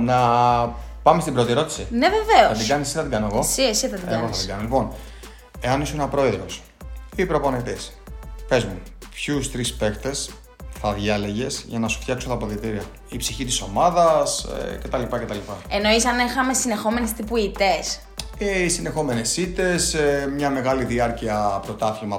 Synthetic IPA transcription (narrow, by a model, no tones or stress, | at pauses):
nɐ | pɐmest̪ibɾo̞t̪eɾo̞t̪i̥sine̞veve̞oɐst̪iɡɐnisiθɐt̪iɡɐnoeɣo̞siesiθɐt̪ieɐoθɐt̪ɡɐnolipo̞n | e̞ɐnisuenɐpɾo̞e̞ðɾo̞s | ipɾo̞po̞net̪es | pe̞zmupçust̪ɾispe̞kt̪e̞s | θɐðʝɐle̞ʝe̞sʝɐnɐsu̥ft̪çɐksot̪ɐpoðit̪iɾiɐ | ipsiçit̪iso̞mɐðɐsḛce̞t̪ɐlipɐce̞t̪ɐlipɐenoisɐnexɐme̞sine̞xo̞me̞nest̪ipuit̪es | eisine̞xo̞me̞ne̞sit̪e̞semɲɐme̞ɣɐliðiɐɾciɐpɾo̞t̪ɐθlimɐ